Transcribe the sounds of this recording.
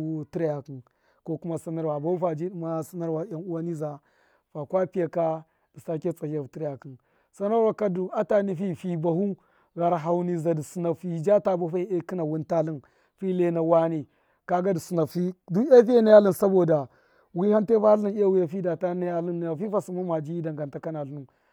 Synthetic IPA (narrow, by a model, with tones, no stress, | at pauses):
ti˦ɾja˨ki˨n | ko˦ku˦ma˦sa˦na˦ɾwa˨ba˨˦u˦fa˨d͡ʒi˦du˨ma˦sa˦na˦ɾwa˨ja˨nu˦wa˦ni˦za˨ | fa˨kwa˦pi˦a˨ka˦ | d̥i˨sa˦ke˦t͡sa˨a˨vu˨ti˦ɾja˨ki˨n | sa˦na˦ɾwa˨ka˦du˨a˦ta˦ni˦fi˦˨fi˦ba˨hu˦ | ɣa˨ɾɦa˨wni˨za˨di˨su˨na˨fi˨d͡ʒa˦ta˦bu˦fa˦e˦ki˦na˨wu˦nta˦li˦n | fi˦le˦na˨wa˦ni˨ | ka˦ɡa˦di˨su˨na˨fi˦du˦a˦fi˦ja˦na˦ja˦li˦nsa˦bo˨da˨ | wi˦ha˦nte˦fa˦u˦n˦a˦wu˦ja˨fi˦da˨ta˦na˦ja˦li˦n˨ja˨fi˦fa˨su˨ma˦ma˨d͡ʒi˦i˦da˨ŋɡa˨nta˦ka˦na˨lu˦nu˨